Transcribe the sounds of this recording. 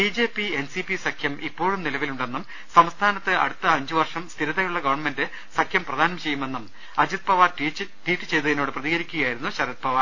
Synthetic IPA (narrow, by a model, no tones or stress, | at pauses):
bid͡ʑe̞ːpːie̞nsipisɐkʰjɐmipːo̞ːɻumnilɐʋiluɳɖe̞nːum | sɐmst̪ʰaːnɐt̪ːɨʔɐ̰ɽut̪ːɐɐɲd͡ʑuʋɐrʂɐmst̪ʰiɾɐt̪ːɐjuɭːɐɡɐʋɐrɳme̞ndɨ | sɐkʰjɐmprɐd̪ʱaːnɐmt͡ɕe̞jːume̞nːum | ɐd͡ʑud̪̚pɐʋaːt͡ɕːʈiːʈːɨt͡ɕe̞jt̪ɐðinoːɽɨprɐðiɡɐɾikʲːuɣɐjaːjiɾunːuɕɐɾid̪̚pʰɐʋa